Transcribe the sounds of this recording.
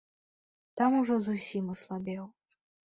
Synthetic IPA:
t̪amuʐɔzusʲimɐslˠabʲɛw

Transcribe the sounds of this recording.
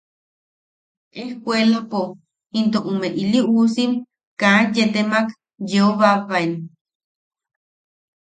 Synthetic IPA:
ʔehkʷelapo | int̪oʔumeʔiliʔusim | kajet̪emak | jeoβaβaen

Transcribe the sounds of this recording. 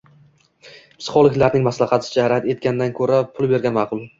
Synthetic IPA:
psɪ̥χɒlˠɪkʲlaɾnɪŋmaslˠɑχɑt̪ʰɪ̥d͡ʒahɾat̪e̞t̪̚kʲand̪ankʰɵɾapʰʊlˠbe̞ɾɡʲanmɑːqʰʊlˠ

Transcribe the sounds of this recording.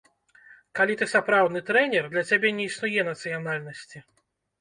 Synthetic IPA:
kalʲit̪ɨsapɾawd̪nɨt̪ɾɛnʲɛrd̪lʲɐt͡sʲabʲɛnʲɛisnujɛnɐt̪sɨjanalʲnɐsʲt͡sʲi

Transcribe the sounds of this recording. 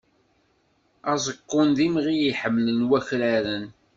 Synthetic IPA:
æzˤəqːʊnd̪imʁijiħəmːlənwæçlæɾən

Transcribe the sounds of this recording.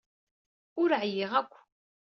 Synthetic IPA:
ʊɾəʕjɪʁækʷː

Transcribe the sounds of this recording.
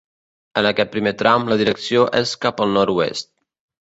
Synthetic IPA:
ənəkɛt̪̚pɾimet̪ɾʔawmləðiɾəksioʔeskapəlˠnɔɾuḛst̪̚

